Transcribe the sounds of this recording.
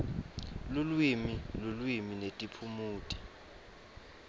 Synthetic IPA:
lulwimilulwiminetʼipʰumuːtʼi̥

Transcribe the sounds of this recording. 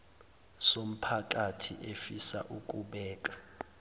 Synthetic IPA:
som̩pʰak̬ʼatʰiʔefisa̰ʔuk̬ʼuɓɛːkʼḁ

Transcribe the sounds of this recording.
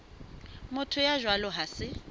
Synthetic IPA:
mʊtʰʊjaʒwalɔɦasɪ

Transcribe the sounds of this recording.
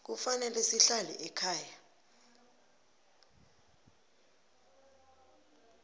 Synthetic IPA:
k̬ufanɛlɛsiɬalɛ̰ʔɛkʰaːja

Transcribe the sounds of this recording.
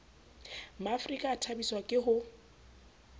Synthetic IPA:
maːfrikʼaːtʰabiswakʼɪɦʊ

